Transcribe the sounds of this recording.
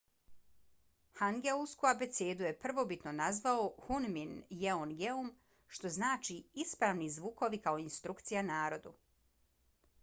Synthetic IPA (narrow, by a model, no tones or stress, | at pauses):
haŋɡeulskuabe̞t̪seːd̪uje̞pr̩ʋo̞bit̪no̞nazʋaohunminjeonɡeum | ʃt̪o̞znaːt͡ʃiispɾaːʋnizʋuːko̞ʋikao̞inst̪ɾukt̪sijanaːɾo̞d̪u